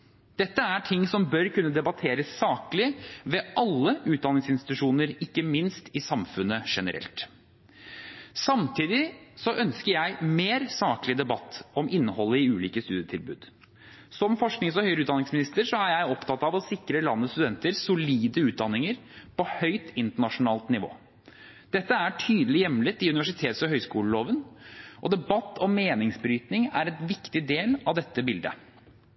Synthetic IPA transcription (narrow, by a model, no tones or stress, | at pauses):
d̪̥ɛt̪ːəæʈʰɪŋːsɔmbœɾkʉnːəd̪ɛbɑt̪ʰeːɾəsːɑːkəlɪʋɛʔɑlːəʉːt̪̚d̪ɑnɪŋsɪnst̪ɪt̪ʉʂuːnəɾɪkːəmɪnst̪ɪsɑmfʉnːəʂɛnə̰ɾɛ̰lt̪ | sɑmt̪ʰiːd̪ɪsɔʔœnskəɾjæɪmeːɾsɑːkəlɪd̪ɛbɑt̪ːɔmʔɪnːəhɔlːəɪʉːliːkəst̪ʉːd̪jət̪ʰɪlbʉ̰ːd̪ | sɔmfɔʂknɪŋsɔhœʏɾʉːt̪d̪ɑnɪŋsmɪnɪst̪əɾʂɔæɾjæɪɔpt̪ʰɑt̪ɑʋɔsɪkɾəlɑnːəst̪ʉd̪ɛnt̪əɾsʊliːd̪əʉːt̪̚d̪ɑnːɪŋəɾpʰɔhœʏt̪ɪnt̪əɳɑʂʊnɑːlt̪nɪʋo̰ː | d̪̥ɛt̪ːəæʈʰyːd̪əlɪjɛmːlɪt̪ɪʉnɪʋæʂɪt̪ʰeːt̪sɔɦœʏskuːləloːʋənʔɔd̪ɛbɑt̪ːɔmːeːnɪŋsbɾyːt̪nɪŋæɾɛt̪ʋɪkt̪ɪd̪eːlɑʋd̪ɛt̪ːəbɪld̪ə̰